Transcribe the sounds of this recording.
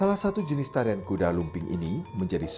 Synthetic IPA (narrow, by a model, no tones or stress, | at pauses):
alahsat̪ud͡ʒənɪst̪aɾiankudalumpɪŋʔḭniməɲd͡ʒadis